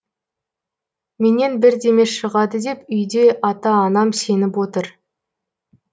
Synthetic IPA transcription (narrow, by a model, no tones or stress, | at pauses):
me̞ne̞nbɪɾd̪eme̞ʃəʁɑd̪əd̪e̞pʏjd̪e̞ʔɑt̪ɑːnɑmse̞nɪpwo̞t̪əɾ